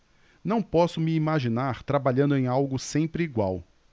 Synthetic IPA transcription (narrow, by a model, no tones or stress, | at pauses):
nɐ̃w̃pɔsʊmiːmaʒinaɾt̪ɾabaʎɐ̃nd̪ʊẽj̃awɡʊsẽmpɾɪiɡwaw